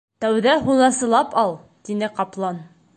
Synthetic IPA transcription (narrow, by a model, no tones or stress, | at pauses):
t̪æwðæɦunɑsɤ̆lˠɑpɑlˠ | t̪inɘqɒplˠɑn